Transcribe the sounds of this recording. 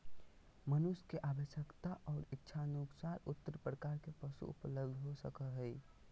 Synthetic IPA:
mənʊskeʔabəʃjəkt̪aʔɔːɾɪtːʃʰanuksaɾʊt̪ːəɾpɾəkaːɾkepəsṵʊ̰pləbd̪ʱɦosəkəɦɛi

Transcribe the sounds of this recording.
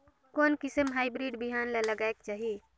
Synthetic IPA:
koːnkɪsəmɦaːɪbɾiɖbiɦanleləɡaekt͡ʃaːɦie

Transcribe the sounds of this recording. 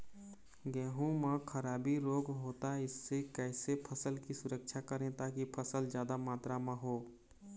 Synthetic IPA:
ɡɛːɦũmə̃kʰəɾaːbiɾoːɡɦoːt̪aɪsːekɛːsepʰəsəlkisʊɾəkʃʰakəɾẽt̪aːkipʰəsəld͡ʒjaːd̪amaːt̪ɾamə̃ɦoː

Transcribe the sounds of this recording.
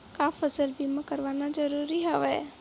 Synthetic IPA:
kaːfəsəlbiməkəɾʋaːnad͡ʒəɾuːɾiɦɛʋɛ

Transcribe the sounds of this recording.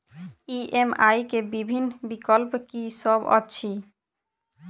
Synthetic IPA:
iʔemajkebibʱinːbikolpkiʃɔbɔ̰ːi

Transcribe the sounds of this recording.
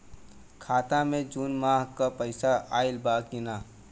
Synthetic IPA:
kʰaːt̪amẽd͡ʒunmaːɦkapəɪsaaːɪlbaːkɪnaː

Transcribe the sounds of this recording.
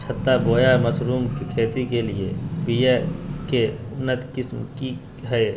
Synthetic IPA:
t͡ʃʰət̪ːaboːjaməsɾuːmkikʰeːt̪ikeliebijekeʊnːət̪kɪsmki | ɦɛː

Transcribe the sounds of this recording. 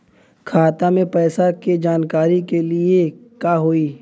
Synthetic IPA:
kʰaːt̪amẽpɛːsaked͡ʒaːnkaːɾikeliekaːɦoːiː

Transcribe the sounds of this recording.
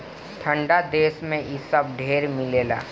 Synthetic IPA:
ʈʰə̃ɳɖad̪eːsmẽɪsəbɖʱeːɾmɪleːla̰ː

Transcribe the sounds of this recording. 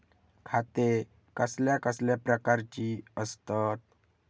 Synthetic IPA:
kʰat̪e | kəsljakəsljapɾəkaɾt͡ɕiəst̪ət̪̚

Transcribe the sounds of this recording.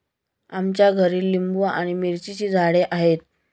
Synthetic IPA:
amt͡ɕjaɡʱəɾiːlːimbuaɽ̃imiɾt͡ɕit͡ɕiːd͡zʱaɽeʔaɦet̪̚

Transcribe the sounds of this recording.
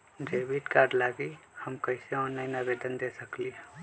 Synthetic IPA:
d͡ʒeːbiʈkaɾɖlaɡihəmkəɪseɔ̃nainabed̪ənd̪esəkliɦɛ

